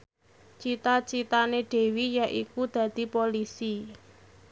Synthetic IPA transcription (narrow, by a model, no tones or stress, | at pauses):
t͡ʃit̪at͡ʃit̪aneɖ̥e̤wijaʔikud̪̥ä̤d̪̥i̤polisi